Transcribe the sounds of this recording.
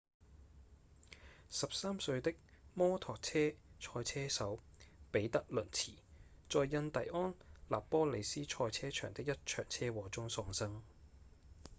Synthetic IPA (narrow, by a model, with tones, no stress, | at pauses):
sɐ˨p̚saː˥msɵ˧ɥt̪ɪ˥k̚mɔː˥t̪ʰɔː˨k̚t͡sʰɛː˥t͡ʃʰɔː˧jt͡sʰɛː˥sɐ˨˥wpe˨˥jt̪ɐ˥k̚lɵ˨˩nt͡sʰiː˨˩ | t͡sɔː˨jːɐ˧nt̪ɐ˨jʔɔː˥nla̰ː˨pːɔː˥le˨˧jsiː˥t͡ʃʰɔː˧jt͡sʰɛː˥t͡ʃʰœ̰ː˨˩ŋt̪ɪ˥k̚jɐ˥t̚t͡ʃʰœ̰ː˨˩ŋt͡sʰɛː˥wɔː˨˧t͡sʊ˥ŋsɔː˧ŋsɐ˥ŋ